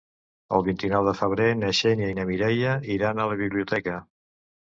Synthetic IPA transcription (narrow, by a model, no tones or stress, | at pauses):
ə̰lˠβint̪inɔwðəfəβ̞ɾenəʃeniəjnəmiɾɛjəiɾanələβiβliut̪ɛkə